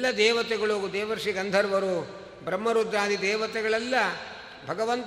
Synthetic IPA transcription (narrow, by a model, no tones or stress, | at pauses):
lːɐd̪ɛːʋɐt̪ɛɡɐɭoud̪ɛːʋɐɾʂiɡɐnd̪ʱɐɾʋɐɾu | bɾɐmːɐɾud̪ɾaːd̪id̪ɛːʋɐt̪ɛɡɐɭɛlːɐ | bʱɐɡɐʋɐnt̪